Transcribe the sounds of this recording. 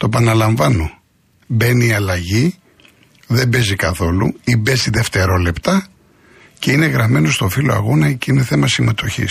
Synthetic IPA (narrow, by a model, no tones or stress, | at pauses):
t̪oepɐnɐlɐɱvɐno̞ | be̞niɐlɐʝi | ðe̞mbe̞zikɐθo̞lṵibe̞ziðe̞ft̪e̞ɾo̞le̞pt̪ɐ | ce̞ine̞ɣɾɐme̞no̞st̪o̞filoɐ̰ɣo̞nɐceineθe̞mɐsime̞t̪o̞çḭs